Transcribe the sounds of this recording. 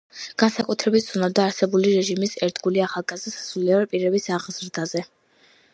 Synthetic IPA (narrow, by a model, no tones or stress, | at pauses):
ɡ̥ansakʼut̪ʰɾɛbit̪̚ʰsʰunad̪aːɾsɛbuliɾɛʒimisɛɾt̪ɡuliaχalˠɡazissuliɔɾɛpʼiɾɛbisaʁzɾd̪azɛ